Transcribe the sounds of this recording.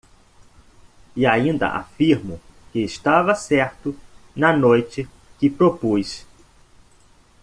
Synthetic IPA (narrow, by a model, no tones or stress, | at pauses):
ɪaĩnd̪ɐ̰ʔa̰fiɾmʊkɪːst̪avɐsɛɾt̪ʊnɐnojt͡ʃɪ | kɪpɾopujs